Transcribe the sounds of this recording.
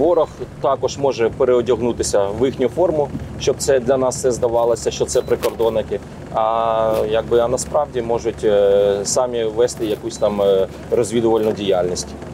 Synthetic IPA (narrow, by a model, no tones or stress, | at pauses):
ʋɔɾɔxt̪ɑkɔʒmɔʒɛpeɾeɔdʲɔɦnut̪ɪsʲɐʋɪxnʲʊfɔrmʊʃt͡ʃɔb̚t̪sɛd̪lʲɐnɑst̪sɛzd̪ɐʋɑlˠɐsʲɐʃt͡ʃɔt̪sɛpɾɪkɔrd̪ɔnɪkɪ | ɐjɐɡ̚bɪɐnɐspɾɑwdʲimɔʒʊtʲsɑmʲiʋɛst̪ɪjɐkusʲt̪ɑm | rɔzʲʋʲid̪ʊʋɐlʲnʊdʲijalʲnʲisʲtʲ